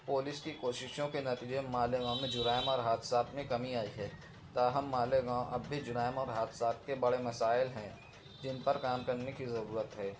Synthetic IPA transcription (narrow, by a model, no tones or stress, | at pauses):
poːlɪskikoːʃɪʃõkenɐt̪iːd͡ʒemaːleɡãːʊ̃mẽd͡ʒʊɾaːɪmɔːɾɦaːt̪ʰsaːt̪ʰmẽkɐmiaːiɦɛː | t̪aːɦɐmːaːleɡãːwʔɐbʱːid͡ʒʊɾaːɪmɔːɾɦaːt̪ʰsaːt̪̚kebɐɽemɐsaːɪlɦɛ̃ | d͡ʒɪnpɐɾkaːmkɐɾnekizɐɾuːɾət̪ɦɛː